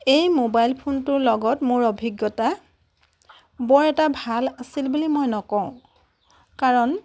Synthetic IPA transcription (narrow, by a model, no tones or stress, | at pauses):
ejmobajlpʰontʊɹlɔɡɔtmʊɹobʱiɡjɔta | bɔɹɛtabʱalasilbulimojnɔkɔ̃ʊ̃ | kaɹɔn